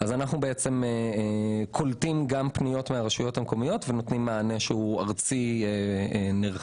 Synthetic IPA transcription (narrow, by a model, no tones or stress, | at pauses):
azanaχnubeet͡se̞me | kʰoltimɡampnijo̞tmeaʁeʃujo̞thameko̞mijo̞tve̞no̞t̪nimːaːneʃehuaʁt͡sieeneʁ